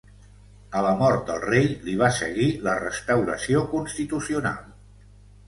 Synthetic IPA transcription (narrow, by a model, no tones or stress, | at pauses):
ələmɔɾt̪̚d̪əlˠrejliβ̞asə̰ɣilərəst̪əwɾəsiokunst̪it̪usiuna̰lˠ